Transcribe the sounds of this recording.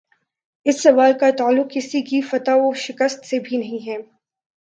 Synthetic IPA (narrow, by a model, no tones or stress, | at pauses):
ɪsːɐʋaːlkat̪aːlːʊqkɪsikifɐt̪aoʃɪkəst̪sebʱinɐɦĩɦɛː